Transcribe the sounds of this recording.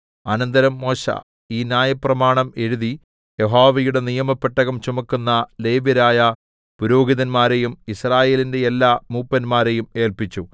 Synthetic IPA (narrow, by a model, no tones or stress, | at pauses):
ɐnɐnd̪ɐɾɐmːo̞ːɕa̰ | iːnjaːjɐprɐmaːɳɐme̞ɻuði | jeɦoːʋɐjuɽe̞nijɐmɐpːeʈːɐɣɐmt͡ɕumɐkːunːɐle̞ːʋɐɾaːjɐ | puɾo̞ːɡiðɐnmaːɾejumisraːje̞ːlinde̞elːaːmuːpːɐnmaːɾe̞jume̞ːlpit͡ɕːu